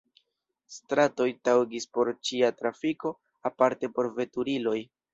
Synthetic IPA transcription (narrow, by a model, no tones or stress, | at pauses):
stɾato̞jtawɡispo̞ɾt͡ʃiatɾafiko̞ | apaɾte̞po̞ɾve̞tuɾilo̞j